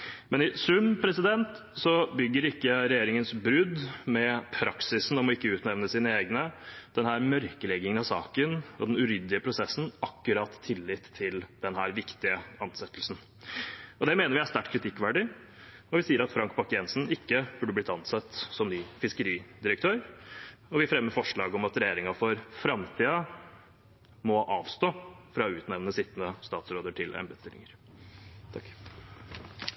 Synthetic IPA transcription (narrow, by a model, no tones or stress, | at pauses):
mɛnɪsʉmpʰɾɛsɪd̪ɛnt̪ | sɔbʏɡːəɾɪkːəɾɛjeːɾɪŋənsbɾʉd̪mɛpʰɾɑksɪsn̩ɔmɔɪkːəʉːt̪nɛʋnəsiːnəeːɡnəd̪̥ɛnhæːɾmœɾkəlɛɡːɪŋənɑsɑ̰ːkənɔ̰d̪ɛnʉɾʏd̪lɪəpʰɾʊsɛsn̩ɑkːʉɾɑːt̪tʰːɪlːɪt̪ʰːɪld̪̥ɛnɦæːɾʋɪkt̪ɪəɑnsɛt̪ːəlsn | ɔd̪ɛmeːnəɾʋɪæst̪æʈkʰɾɪt̪ʰɪkːʋæɖɪ | ɔʋɪsiːəɾɑt̪fɾɑŋkbɑkɪɛnsn̩ɪkːəb̥ʉːɖəb̪ɪt̪ːɑnsɛt̪ːsɔmnyːfɪskəɾiːd̪ɪɾəkt̪ʰøːɾɔʋɪfɾɛmːəɾfɔʂɭɑːɡəɔmɑt̪ɾɛjeːɾɪŋɑfɔɾfɾɑmt̪ʰiːɑ | mɔʔɑːʋst̪oːfɾɑːʉːt̪nɛʋnəsɪt̪ːənəst̪ɑːt̪sɾoːd̪əʈʰɪlʔɛ̰mbəd̪st̪ɪlɪ̰ŋəɾ | t̪ʰɑkː